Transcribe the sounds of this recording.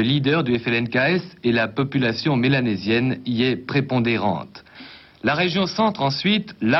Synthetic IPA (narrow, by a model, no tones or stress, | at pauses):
əlid̪œʁd̪yɛfɛlɛnkaɛselapɔpylasjɔ̃melanezjɛniɛpχepɔ̃d̪eʁɑ̰̃t̪ | laʁeʒjɔ̃sɑ̃t̪χɑ̃sɥit̪la